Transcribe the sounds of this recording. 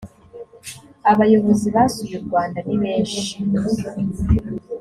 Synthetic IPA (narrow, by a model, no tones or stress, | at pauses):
aβajo̞βo̞ziβasujuɾɡwaːndaβiβeːnʃe